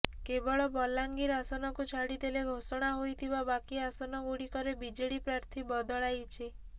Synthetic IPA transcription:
kebɔɭɔbɔlaŋɡiɾasɔnɔkut͡ʃʰaɽid̪eleɡʱosɔɽ̃aɦojt̪ʰibabakiasɔnɔɡuɽikɔɾebid͡ʒeɽipɾaɾt̪ʰibɔd̪ɔɭajt͡ʃʰi

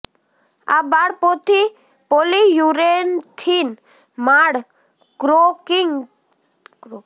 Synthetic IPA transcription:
a̰baɽpɔt̪i | polijuɾent̪ʰin | maɽ | kɾokiŋ

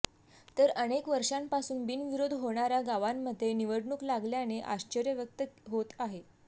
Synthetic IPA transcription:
t̪əɾənekʋəɾʂampasuːnbinʋiɾod̪ʱɦoɳ̃aɾaɡaʋamːəd̪ʱːjeniʋəɽɳuːklaɡljaneʔa̰ɕt͡ɕəɾjəʋjək̚t̪əɦot̪aɦe

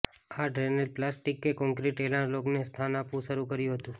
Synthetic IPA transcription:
aɖɾenəlplasʈikːekɔ̃ŋkɾiʈelãloknest̪ʰanapʋũʃəɾukəɾjũɦət̪ũ

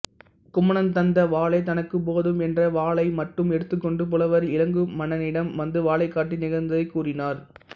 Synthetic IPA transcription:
kʊmɐɳɐnt̪ɐnd̪ɐʋaːlɐɪt̪ɐnɐkːɯp̬oːðɯmɛndrɐʋaːɭɐɪmɐʈrɯmɛɽɯt̪ːɯkːɔɳɖɯp̬ɔlɐʋɐɾɪlɐŋɡɯmɐnɐnɪɽɐmʋɐnd̪ɯʋaːɭɐɪkːaːʈːinɪɣɐɾnd̪ɐðɐɪkːuːrɪnaːɾ

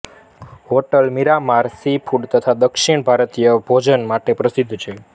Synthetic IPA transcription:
ɦoʈəlmiɾamaɾsipʰuɖt̪ət̪ʰad̪əkʃiɳ̃bʱaɾət̪ijəbʱod͡ʒənmaʈepɾəsid̪ʱːt͡ʃʰe

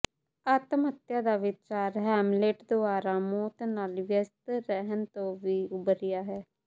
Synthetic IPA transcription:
at̪mət̪jãːd̪aːʋɪt͡ʃaːɾɦɛːmleːʈd̪oaːɾaːmoːt̪naːlʋjəst̪ɾɛɦənt̪õːʋiːʊbəɾɪjaːɦɛː

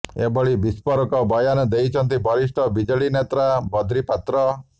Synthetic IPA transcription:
ebʱɔɭibispɔɾɔkɔbɔjanɔd̪ejt͡ʃʰɔnt̪ibʱɔɾiʃʈɔbid͡ʒɔɭinet̪ɾabʱɔd̪ɾipat̪ɾɔ

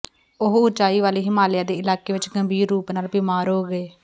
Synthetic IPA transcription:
ʊɦʊt͡ʃaːiːʋaːliːɦɪmaːlɪjãːd̪eːɪlaːkeːʋɪt͡ʃɡəmbʱiːɾːuːpnaːlbiːmaːɾɦoːɡəeː

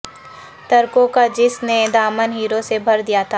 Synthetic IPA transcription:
t̪ɐɾkõkad͡ʒɪsned̪aːmənɦiːɾosebʱɐɾd̪ijat̪ʰaː

